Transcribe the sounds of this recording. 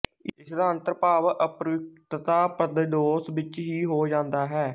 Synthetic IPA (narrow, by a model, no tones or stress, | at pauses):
ɪsd̪aːə̃nt̪əɾpaːʋʔəpɾəʋɪk̚t̪t̪aːpɾəd̪ɖoːsʋɪt͡ʃɦiːɦoːd͡ʒãːnd̪aːɦɛː